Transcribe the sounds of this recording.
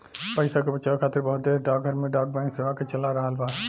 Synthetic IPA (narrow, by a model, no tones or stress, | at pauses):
pəɪsakebət͡ʃakʰaːt̪əɾbɔɦʊt̪̚d̪eːɾɖaːɡ̚ɡʱəɾmẽɖaːɡ̚bɛ̃ɪ̃ŋkseʋaket͡ʃəlaɾəɦalbaːd̪